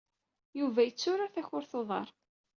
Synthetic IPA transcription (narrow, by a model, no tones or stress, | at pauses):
juvæjət͡sːʊɾaθæçʊɾθoðˤɑ̰ɾˤ